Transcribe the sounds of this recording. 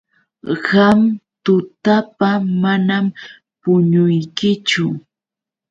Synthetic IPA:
ɢamt̪ʊt̪apamanam | pʊɲʊjkɪt͡ʃʊ

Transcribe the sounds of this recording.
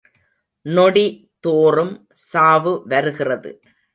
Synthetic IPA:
nɔɽi | t̪oːrɯm | saːʋɯʋɐɾɯɣɪrɐðɯ̰

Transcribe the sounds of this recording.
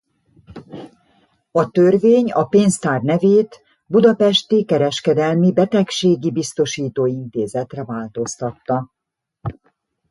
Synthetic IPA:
ɒt̪ørveːɲɒpeːnst̪aːrnɛveːt̪ | bud̪ɒpɛʃt̪ikɛɾɛʃkɛd̪ɛlmibɛt̪ɛkʃeːɡibist̪o̞ʃiːt̪oːint̪eːzɛt̪rɛvaːlt̪o̞st̪ɒt̪ːɒ

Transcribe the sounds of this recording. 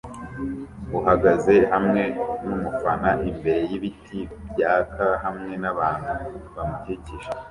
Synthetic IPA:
huɦaɡaze̞hamŋe̞numufanaʔimbe̞ɾe̞jiβitʰibjaːkʰahamŋe̞naβaːn̥huβamuceciʒe̥

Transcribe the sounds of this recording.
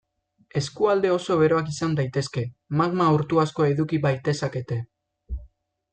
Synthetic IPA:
e̞skuald̪e̞o̞so̞βe̞ɾo̞akisand̪ajt̪e̞ske̞maɣmauɾt̪uasko̞e̞ðukiβajt̪e̞sake̞t̪e̞

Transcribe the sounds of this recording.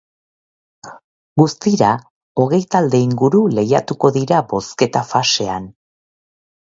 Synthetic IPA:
ɡust̪iɾa | o̞ɣe̞jt̪ald̪e̞iŋɡuɾule̞jat̪uko̞ðiɾabo̞ske̞t̪afase̞an

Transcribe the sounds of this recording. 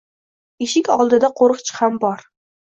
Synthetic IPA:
eʃɪkʲɒlˠd̪ɪd̪aqʰoɾɨq̚t͡ʃʰɪ̥hambɒɾ

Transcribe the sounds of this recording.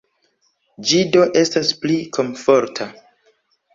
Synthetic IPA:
d͡ʒido̞ʔe̞stasplikʰo̞mfo̞ɾtʰa

